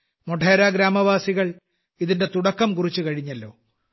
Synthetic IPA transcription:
moʈʰeːɾaːɡɾaːmɐʋaːsiɣɐɭ | iðinde̞t̪uɽɐkːɐmkurit͡ɕːukɐɻiɲːɐlːo̞ː

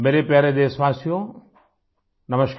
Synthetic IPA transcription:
meːɾepjaːɾed̪eːsʋãːsijõ | nɐməʃk

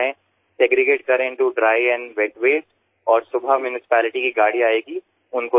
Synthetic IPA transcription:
ẽ | seɡɾɪɡeːʈ̚kɐɾẽɪ̃ɳʈuɖɾaːɪɛ̃nʋeʈʋeːs | ɔːɾsʊbʱamjuːnɪsɪ̥pɛːlɪʈikiɡaːɽiaːeːɡi | ʊnko

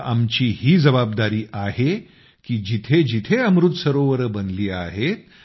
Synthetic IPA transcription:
amt͡ɕiːhiːd͡zəbabd̪aɾiːʔahe | kiːd͡ʑit̪ʰed͡ʑit̪ʰeəmɾut̪səɾoʋəɾəːbənliːa̰ɦet̪̚

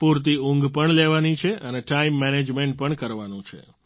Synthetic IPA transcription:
puɾt̪iũŋɡpəɳleʋanit͡ʃʰeəneʈaimːɛned͡ʒmeɳʈ̚pəɳkəɾʋanũt͡ʃʰḛ

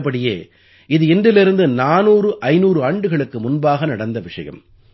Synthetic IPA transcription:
p̬ːɐɽɪjḛː | ɪðɯɪndɪlɪɾɯnd̪ɯnaːnuːrɯʔɐɪnuːɾɯaːɳɖɯɣɐɭɯkːɯmʊnbaːɣɐnɐɽɐnd̪ɐʋɪʂɐ̰jɐ̰m

